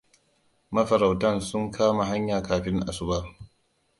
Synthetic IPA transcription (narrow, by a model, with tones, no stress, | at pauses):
mɐ˦ɸɐ˨ɾa˨wtɐ˦˨nsʊ˦ŋkʰaː˦ma˨ɦa˦ɲjaː˨kaː˨ɸɪ˦ŋʔa̰˨sʊ˦baː˦